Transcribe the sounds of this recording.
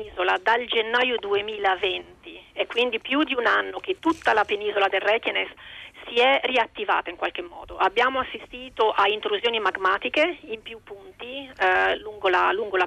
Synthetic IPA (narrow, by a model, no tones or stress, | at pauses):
iːzolad̪ald͡ʒenːaːjud̪uemiːlavɛnt̪iɛkːwind̪ipjud̪iunanːok̟et̪ːut̪ːalapeniːzolad̪erːɛkenesːiɛriat̪ːiva̰ːt̪aiŋkwalk̟emːɔ̰ːd̪oʔabːjaːmoasːist̪iːt̪oʔaint̪ɾuzjoːnimaɡmaːt̪ikeimpjupːunt̪iluŋɡolaluŋɡola